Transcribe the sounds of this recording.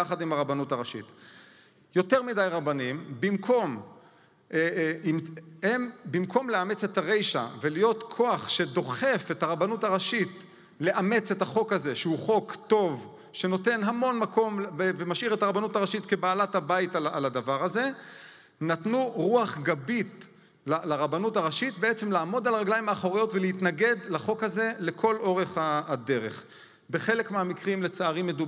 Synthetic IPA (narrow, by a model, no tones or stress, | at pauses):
aχadimaʁabanutaʁaʃḭt | jo̞teʁmidajʁabanimbimkʰo̞m | imhembimkʰo̞mleame̞t͡se̞taʁe̞jʃa̰velijo̞tkʰo̞aχʃe̞do̞χe̞fe̞thaʁabanutaʁaʃit | le̞ʔame̞t͡se̞taχo̞khaze̞ʃeuχo̞kto̞v | ʃe̞no̞te̞nɦamo̞nmako̞mevemaʃiʁe̞taʁabanutaʁaʃitke̞baːlathabajitala̰lad̪avaʁaze̞ | natnuʁuaχɡabit | lalaʁabanutaʁaʃit̚beet͡se̞mlaːmo̞dalʁaɡlajmaːχo̞ʁijo̞tveleit̪naɡe̞d̪laχo̞khaze̞le̞kʰo̞lo̞ʁe̞χaade̞ʁe̞̰χ | be̞χe̞le̞kmeamikʁimle̞t͡saaʁimːe̞du